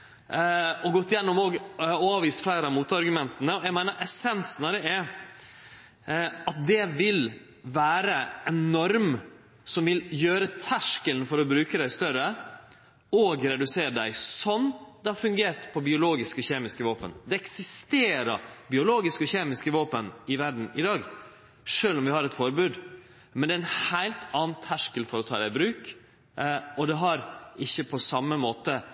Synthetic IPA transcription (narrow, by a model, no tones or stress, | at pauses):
ɔɡɔt̪ːɪjɛnːɔmoːɡoːɑːʋiːst̪flæɪɾəɑmuːt̪ɑɾɡʉmɛnt̪ənəɔjæɪmæɪnəɾʔɛsɛnsnɑɾɛɛ | ɑt̪̚d̪ɛʋɪl | ʋæːɾəɛnːɔɾm | sɔmʋɪljøːɾət̪ʰæʂkəlnfɔɾɔbɾʉːkəd̪æɪst̪œɾə | oːɡɾɛd̪ʉseːɾɖ̪æɪsɔnːd̪ɛhɑɾfʉŋɡeːɾt̪pʰɔbɪʊloːɡɪskɔçeːmɪskəʋoːpə̰nd̪ɛɛksɪst̪eːɾəbɪʊloːɡɪskɔçeːmɪskəʋoːpənɪʋæɾɖɳ̩ɪd̪ɑːɡ | ʂøːlɔmʋɪhɑɾɛt̪fɔɾbʉːd̪ | mɛnd̪ɛɾæɪnhæɪlt̪ɑːnt̪ʰæʂkəlfɔɾɔt̪ʰɑ̰ːd̪æɪbɾʉːk | ɔd̪ɛɦɑɾɪçːəpʰɔsɑmːəmoːt̪ə